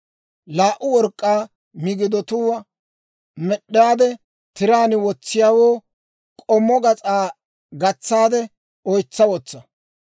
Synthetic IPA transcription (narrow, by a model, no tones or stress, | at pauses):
laːʔʊwɔɾkʼːaː | mɪɡɪd̪ɔt̪ʊwɐ | mɛɗːɪjaːd̪ɛ | t̪ɪɾaːnɪwɔt͡sːɪjaːwoː | kʼɔmːɔɡɐt͡sʼaː | ɡɐt͡sːaːd̪ɛ | ɔjt͡sːɐwɔt͡sːɐ